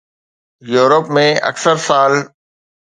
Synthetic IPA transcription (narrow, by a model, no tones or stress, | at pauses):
juːɾəpmẽɐ̰ksəɾsaːl